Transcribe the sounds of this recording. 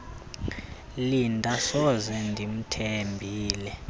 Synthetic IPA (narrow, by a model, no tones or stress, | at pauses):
lindʱʼasɔzɛndʱim̩tʰembʱiːlɛ